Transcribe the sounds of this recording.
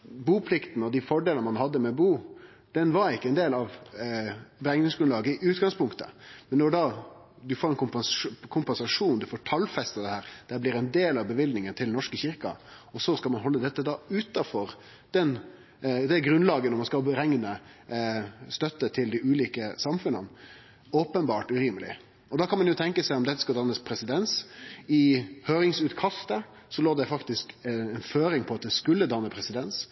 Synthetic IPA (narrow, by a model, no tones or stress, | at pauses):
buːpʰlɪkt̪ənəɔd̪ifɔɖeːlənəmɑnhɑd̪ːəmɛbuː | d̪̥ɛnʋɑɾɪkːəɛnd̪eːlɑʋ | bɾɛŋnɪŋsɡɾʉnɑːɡəɪʉːt̪ɡɑŋspʰʊŋkt̪ə̰mɛnːɔɖɑː | d̪ʉfoːɾɛnkʰʊmpkʰʊmpɛnsɑʂuːnd̪ʉfoːʈʰɑlfɛst̪ɑd̪ɛhæːɾd̪̥æblɪɾɛnd̪eːlɑʋbəʋɪld̪nɪŋənt̪ʰɪlnɔʂkəçɪɾkɑ̰ɔsɔskɑlmɑnɦɔlːəd̪ɛt̪ːəd̪ɑːʉːt̪ɑfɔɾ | d̪̥ɛn | d̪ɛæɡɾʉnlɑːɡənɔɾmɑnskɑlbɾɛŋnə | st̪œt̪ːət̪ʰɪld̪ɪʔʉːliːkəsɑmfʉnə̰n | oːpənbɑːʈʉɾiːməlɪ̰ | ɔd̪ɑkʰɑnmɑnjʊt̪ʰɛŋkəsæɪɔmd̪ɛt̪ːə̥skɑld̪ɑnːəspʰɾɛsɪd̪ɛnsɪhøːɾɪŋsʉːt̪kʰɑst̪ə | sɔloːd̪ɛfɑkt̪ɪskɛnføːɾɪŋpʰɔɑt̪̚d̪ɛskʉlːəd̪ɑnːəpʰɾɛsɪd̪ɛns